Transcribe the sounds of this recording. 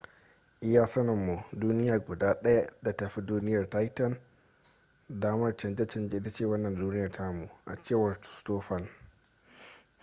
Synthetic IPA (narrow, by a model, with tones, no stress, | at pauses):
ʔɪ˦jaː˦sɐ˦nɐ˨mːu˨duː˦nɪ˦jaː˨ɡʷʊ˨daː˦ɗɐ˦ja˦da˨tɐ˨ɸi˦duː˦nɪ˦jɐ˨rta˦jtɐ˦˨n | daː˦mɐ˦rt͡ʃɐ˨nd͡ʒɛ˦t͡ʃɐ˦˨nd͡ʒe˦ʔɪ˦ta˦t͡ʃeː˦˨wɐ˦nːɐ˨nduː˦nɪ˦jɐ˨rtʰa˦mu˨ʔa̰˨t͡ʃeː˦˨wɐ˨rtu̥˨stoː˦ɸɐ˦l